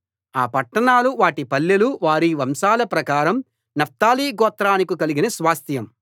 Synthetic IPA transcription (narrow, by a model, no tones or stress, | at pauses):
aːpɐʈːɐɳaːluʋaːʈipɐlːeluʋaːɾiʋɐmsaːlɐpɾɐkaːɾɐm | nɐp̚t̪aːliːɡɔːt̪ɾaːnikukɐliɡinɐsʋaːst̪ʰjɐm